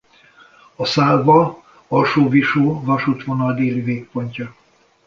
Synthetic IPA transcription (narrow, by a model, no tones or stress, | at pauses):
ɒsaːlvɒ | ɒlʃoːviʃoːvɒʃut̪ʋo̞nɒld̪eːliveːk̚po̞ɲcɒ